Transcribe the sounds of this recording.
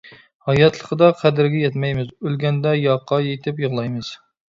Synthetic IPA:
hɑjɑt̪lˠəqʰəd̪ɑqʰæd̪ɪɾɡʲɛjɛt̪mɛjmɪzølɡʲɛnd̪ɛjɑqʰːɑjet̪ʰɪpjəʁlˠɑjmɨz̥

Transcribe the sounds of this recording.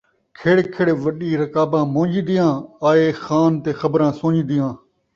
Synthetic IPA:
kʰeːɽkʰɪɽeʋəɗiːɾəkaːbãːmõːd͡ʒiːd̪ɪjãːaːeːxaːnt̪eːxəbɾãːsõːd͡ʒiːd̪ɪjãː

